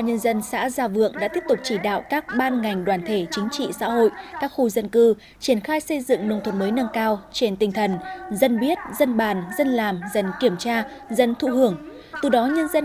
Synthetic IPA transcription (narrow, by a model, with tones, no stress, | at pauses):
a˧˩ɲə˧nzə˧nsa̰ː˧˥zaː˧˩vɨ̰˧˨əŋɗa̰ː˧˥t̪i˦˥əp̚t̪ʊ˨˩k͡p̚t͡ɕi˧˩ɗa̰ː˧˨wkaː˦˥k̚ɓaː˧nŋa˨˩jŋ̟ɗwaː˧˨˩nt̪ʰe˧˩t͡ɕï˨˦ŋ̟t͡ɕḭ˧˨sa̰ː˧˥ho̰˧˨jkaː˦˥k̚xu˧zə˧nkɨ˧ | t͡ɕi˧˩ənxaː˧jsə˧jzɨ̰˧˨ŋnɨ˧ŋ͡mt̪ʰwə˧˩n̚məː˨˦jna˧ŋkaː˧wt͡ɕe˧nt̪ï˨˩ŋ̟t̪ʰə˨˩nzə˧nɓi˦˥ət̚zə˧nɓaː˨˩nzə˧nlaː˨˩mzə˨˩nki˧˩əmt͡ɕaː˧zə˧nt̪ʰṵ˧˨hɨ˧˩əŋ | t̪ɨ˨˩ɗɔ˨˦ɲə˧nzə˧